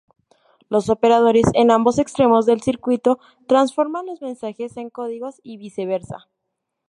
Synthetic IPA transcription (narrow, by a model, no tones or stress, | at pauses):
lo̞so̞pe̞ɾaðo̞ɾe̞se̞nambo̞se̞kst̪ɾe̞mo̞zðe̞lsiɾkwit̪o̞ | t̪ɾansfo̞ɾmanlo̞zmẽ̞nsaxe̞se̞ŋko̞ðiɣo̞siβise̞β̞e̞ɾsa̰